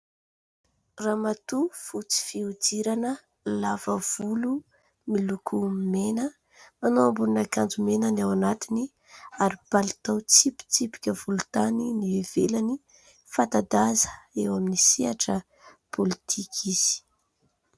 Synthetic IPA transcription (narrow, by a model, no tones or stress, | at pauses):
ramat̪ufut͡si̥fiud͡ziɾanə | lavəv̥ulu | milukʰumenə | manoambununakand͡zumenənawanat̪ini | aɾib̥alit̪awt͡sipi̥t͡sipi̥kʲəvulut̪aninivev̥elani | fat̪ad̪azə̥ewaminisiaʈ͡ʂə | pʰolit̪ʰikʰiz̥i̥